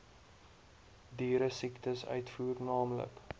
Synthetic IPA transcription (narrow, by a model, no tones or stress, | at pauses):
diːɾəsiktəsœ̰ɥtfuːrnɑːmlə̰k